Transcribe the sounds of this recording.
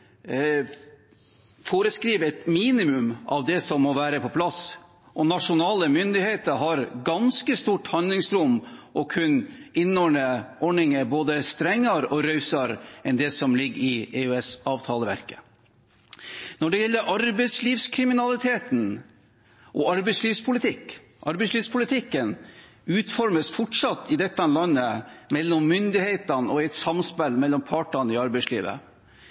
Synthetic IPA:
foːɾəskɾiːʋɛt̪miːnɪmʉmʔɑ̰ʋd̪ɛsɔmːɔʋæːɾəpʰɔpʰlɑs | ʔɔnɑʂʊnɑːləmʏnd̪ɪheːt̪əɾɦɑɾɡɑnskəst̪uːʈhɑnd̪lɪŋsɾʊmːʔɔkʰʉnɪnːɔɳəɔɳɪŋəboːd̪əst̪ɾɛŋːəɾɔɾœʉsɑɾʔɛnd̪ɛsɔmlɪɡːɪeʉɛsɑːʋt̪ʰɑːləʋæ̰ɾkə̥ | nɔɖɛjɛlːəɾʔɑɾbɛɪsliːʋskʰɾɪmɪnɑlɪt̪ʰeːt̪n̩ | ʔɔɑɾbɛɪsliːʋspʰʊlɪt̪ʰɪkː | ʔɑɾbɛɪsliːʋspʰʊlɪt̪ʰɪkːən | ʉːt̪fɔɾməsfɔʈʂɑt̪ːɪd̪ɛt̪ːɑnlɑnːəmɛlːɔmːʏnd̪ɪheɪt̪ɑnɔɛɪt̪sɑmspɛlmɛlːɔmpʰɑːʈɑnəɪɑɾbɛɪslḭːʋə̰

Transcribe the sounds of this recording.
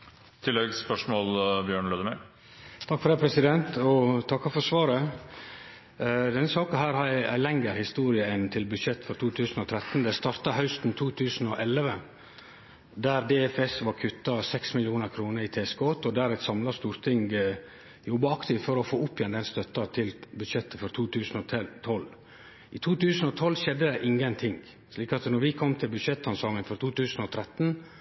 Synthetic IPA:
t̪ʰɪlːɛɡspœʂmoːlbjøːɳløːd̪əmæ | t̪ʰɑkfɔɾd̪æɪpʰɾɛsɪd̪ɛnt̪ɔt̪ʰɑkːɔfɔɾsʋɑːɾə | d̪ɛnːəsɑːkənɦæːɾhæɪæɪlɛŋɡəɾhɪst̪uːɾɪəɪnt̪ʰɪlbʉd̪ʂɛt̪ːfɔɾt̪ʰuːt̪ʰʉːsn̩ɔt̪ʰɾɛt̪n̩d̪ɛst̪ɑɾt̪ɑɦœʉst̪n̩t̪ʰuːt̪ʰʉːsn̩ɔʔɛlːəʋə | d̪æɾd̪ɛːɛfɛsʋɑɾkʰʉt̪ːɑsɛksmɪljɪuːnəɾkʰɾuːnəɾit̪ʰeːskɔːt̪ɔd̪æɾɛt̪sɑmlɑst̪uːɾt̪ʰɪŋɡ | jɔbːɑɑkt̪ɪfɔɾɔfoːʊpːjɛnd̪ɛnst̪œt̪ːɑt̪ʰɪlbʉd̪ʂɛt̪ːəfɔɾt̪ʰuːt̪ʰʉːsn̩ɔt̪ʰt̪ʰɔlː | ɪt̪ʰuːt̪ʉːsn̩ɔt̪ʰɔlːʃɛd̪ːəd̪ɛʔɪŋːənt̪ʰɪŋ | ʂliːkɑt̪nɔɾʋɪkʰɔmːt̪ʰɪlbʉd̪ʂɛt̪ːɑnsɔŋənfɔɾt̪ʰuːt̪ʉːsn̩ɔt̪ʰɾɛt̪n̩

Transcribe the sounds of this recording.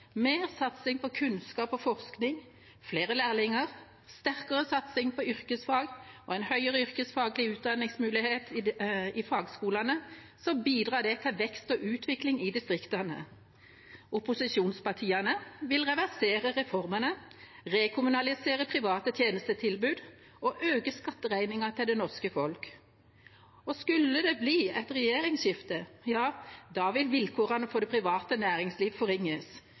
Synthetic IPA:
meːʁsɑt̪sɪŋpɔkʰʉnskɑːpɔfɔʁsknɪŋ | fleːʁəlæːʁlɪŋəʁ | st̪æʁkəʁəsɑt̪sɪŋpʰɔʏʁkəsfɑːɡɔɛɪnhœʏəʁəʏʁkəsfɑːɡlɪʉːt̪̚d̪ɑnɪŋsmʉːlɪheːt̪ɪfɑːɡskuːlɑnə | sɔmbiːd̪ʁɑːd̪ɛt̪ʰɛʋɛkst̪ɔːʔʉːt̪ʰʋɪklɪŋɪd̪ɪst̪ʁɪkt̪ɑnə̰ | ʊpʊsɪʃuːnspɑʁʈʰiːɑnəʋɪlʁɛʋæʁseːʁəʁɛfɔʁmənəʁeːkʰʊmʉnɑlɪseːʁəpʰʁɪʋɑːt̪ət̪ʰjeːnəst̪ət̪ʰɪlbʉːd̪ | ɔʔøːkəskɑt̪ːəʁæɪnɪŋɑt̪ʰɪld̪ɛnɔʁskəfɔlk | ɔskʉlːəd̪ɛbliːɛt̪ʁɛjeːʁɪŋsʃɪft̪əjɑːd̪ɑːʋɪlʋɪlkʰoːʁɑnəfɔd̪ɛpʰʁɪʋɑːt̪ənæːʁɪŋsliːʋfɔʁɪŋːəs

